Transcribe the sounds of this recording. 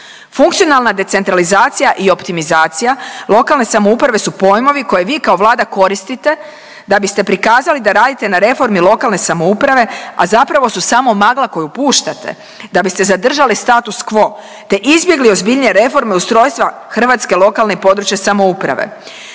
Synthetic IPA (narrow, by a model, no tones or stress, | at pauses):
fuŋkt̪sijo̞nalˠnad̪e̞t̪sent̪ɾalizaːt̪sijaʔio̞pt̪imizaːt̪sijalˠo̞kalˠne̞samoupɾaʋe̞supo̞jmo̞ʋiko̞je̞ʋiːkao̞ʋlˠaːd̪ako̞ɾist̪it̪e̞ | d̪abist̪e̞pɾikaːzalid̪aɾaːd̪it̪e̞naɾe̞fo̞ɾmilˠo̞kalne̞samo̞upɾaʋe̞a̰zapɾaʋo̞susaːmo̞maɡlˠako̞jupuːʃt̪at̪e̞̰ | d̪abist̪e̞zad̪r̩ʒalist̪aːt̪uskʋo̞ | t̪e̞ʔizbje̞ɡlio̞zbiʎɲeɾe̞fo̞ɾme̞ust̪ɾo̞ːjst̪ʋa | xr̩ʋaːt̪ske̞lˠo̞kalnepo̞d̪ɾut͡ɕjesamo̞upɾa̰ʋḛ